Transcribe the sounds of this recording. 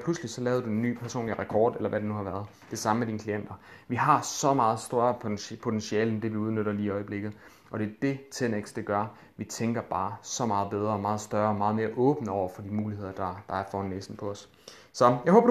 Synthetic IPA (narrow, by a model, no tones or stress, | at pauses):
pʰluslisɒ̽lɛːʊðˠdue̝nːy̰ːpʰæɐso̝̰ːnliʁɛkʰɒ̰ːd̥elɐʋʔæɾe̝nuhɑ̈ʋæɐð̞ˠ | d̥e̝sɑ̈məmed̥iːnəkʰlien̰d̥ɐʋiɦɑ̈sɒ̽mɑ̈ːð̞̩ˠsd̥øɐɐpʰo̝t͡sʰensiɛːləend̥e̝ʋiuð̞ˠnøɾ̥ɐliːiɒ̽ɪəb̥le̝ɡ̥ð̞̩ˠ | ʔɒ̽ɾ̥e̝ɐd̥e̝t͡sʰeneɡ̥sd̥eɡ̥ɶɐ | ʋit͡sʰeŋɡ̥ɐb̥ɑ̈ːsɒ̽mɑ̈ːð̞̩ˠb̥eð̞ˠʁɐɒ̽mɑ̈ːð̞̩ˠsd̥ɶɐɒ̽mɑ̈ːð̞̩ˠme̝ːɐʔɔ̽ːb̥nəɒʊ̰ɐfɒ̽dimuːlihe̝ð̞̰ˠɐd̥ɑ̈d̥ɑ̈æɐfɒːhɒnːḛːsn̩pʰɒ̽ɒ̽s | sɒ̽jɑɪho̽ːb̥